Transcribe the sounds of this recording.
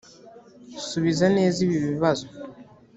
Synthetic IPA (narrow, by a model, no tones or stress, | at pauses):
suβizaneːziβiβiβazo